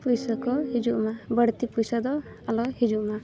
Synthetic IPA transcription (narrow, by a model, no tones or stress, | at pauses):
pujsakɔhid͡ʒuʔmabəɽt̪ipujsad̪ɔ | alɔhid͡ʒuʔma